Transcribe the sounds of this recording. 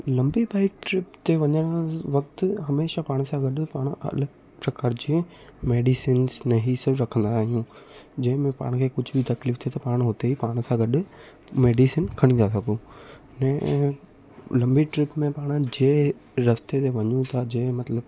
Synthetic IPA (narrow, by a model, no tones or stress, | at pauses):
lɐ̃mbibaːɪk̚ʈɾɪpt̪eʋɐɲəɽ̃ʋɐk̚t̪ɦɐmeːʃapaːɽ̃sãɡɐɗpaːɽ̃ɐ̰l | pɾɐkaːɾd͡ʑiẽ | meːɖisiːnznɐɦisɪɾɐkʰə̃nd̪aːɦijũd͡ʑɐ̃ɦɪ̃mẽpa̰ːɽ̃kʰeːkʊd͡ʑʱbʱɪit̪ɐkliːft̪ʰiet̪ɐpaːɽ̃ɦot̪eipaːɽ̃sãɡɐɗʊ | meːɖisɪnkʰɐɽ̃ĩnd̪asɐɡũ | nɛ̃ | lɐ̃mbiʈɾɪpmẽpaːɽ̃d͡ʑeːɾɐst̪et̪eʋɐɲũt̪ʰad͡ʑeːmɐt̪ləb